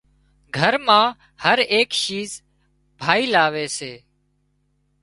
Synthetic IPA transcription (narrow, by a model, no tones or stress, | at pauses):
ɡʱəɾmãː | həɾeːkʃiːz | bʱaːiːlaːʋeːseː